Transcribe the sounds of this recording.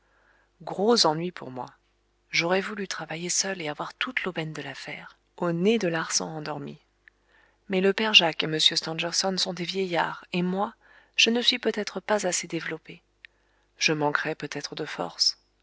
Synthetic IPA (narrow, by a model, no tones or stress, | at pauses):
ɡʁozɑ̃nɥipʰṵʁmwa̰ | ʒɔʁɛvulyt̪χavajesœleavwaʁt̪ʰut̪lobɛnd̪əlafɛːʁ | oned̪əlaʁsɑ̰̃ɑ̃d̪ɔʁmi | mɛləpɛʁʒakeməsjøst̪ɑ̃ʒɛʁsɔnsɔ̃d̪evjɛjaːʁemwa | ʒ̥ənəsɥipøt̪ɛt̪χəpazased̪evlɔpe | ʒ̥əmɑ̃kʁɛpøt̪ɛt̪χəd̪əfɔ̰ʁs